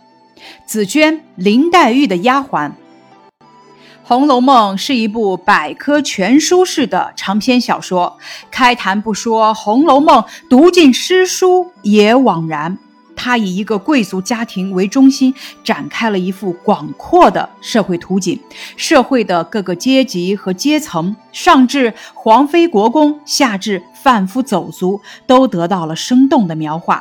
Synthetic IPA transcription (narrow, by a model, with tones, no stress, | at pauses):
t͡sɹ̩˨˩t͡ɕʰɥɛ˥nli˧˥ŋt̪a˥˧ɪy˥˩d̪ə˩ja˥xwa˧˥n | xʊ˧˥ŋlo˧˥ʊmɤ˥˧ŋʂɻ̩˥˩i˧˥p̬u˥˩pa˨˩ɪkʰɤ˥t͡ɕʰɥɛ˧˥nʂu˥ʂɻ̩˥˩d̪ə̰˩ʈ͡ʂʰɑ˧˥ŋpʰjɛ˥nɕjɑ˨˩ʊʂwɔ˥kʰa˥ɪt̪ʰa˧˥npu˥˩ʂwɔ˥xʊ˧˥ŋlo˧˥ʊmɤ˥˩ŋt̪u˧˥t͡ɕi˥˩nʂɻ̩˥ʂu˥jɛ˨˩˥wɑ˨˩ŋɻa˧˥n | t̪ʰa˥i˨˩i˧˥ɡə˧kwe˥˩ɪt͡su˧˥t͡ɕja˥t̪ʰi˧˥ŋwe˧˥ɪʈ͡ʂʊ˥ŋɕi˥nʈ͡ʂa˨˩nkʰa˥ɪlə˨i˧˥fu˥˩kwɑ˨˩ŋkʰwɔ˥˩d̪ə̰˩ʂɤ˥˧xwe˥˩ɪt̪ʰu˧˥t͡ɕi˨˩˦nʂɤ˥˧xwe˥˩ɪd̪ə˩kɤ˥˩ɡə˩t͡ɕjɛ˥t͡ɕi˧˥xɤ˧˥t͡ɕjɛ˥t͡sʰɤ˧˥ŋʂɑ˥˧ŋʈ͡ʂɻ̩˥˩xwɑ˧˥ŋfe˥ɪkwɔ˧˥kʊ˥ŋɕja˥˧ʈ͡ʂɻ̩˥˩ | fa˥˩nfu˥t͡so˨˩ʊt͡su˧˥t̪o˥ʊt̪ɤ˧˥t̪ɑ˥˩ʊlə˩ʂɤ˥ŋt̪ʊ˥˩ŋd̪ə˩mjɑ˧˥ʊxwa̰˥˩